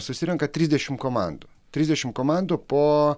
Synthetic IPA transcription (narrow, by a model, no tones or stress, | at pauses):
sʊsʲt̪ʲɪɾʲmkɐt̪ʲɾʲiːzʲd̪ʲɛʃʲɪmkoma̰nd̪ʊ | t̪ʲɾʲizʲd̪ʲɛʃʲɪmkomand̪ʊpoː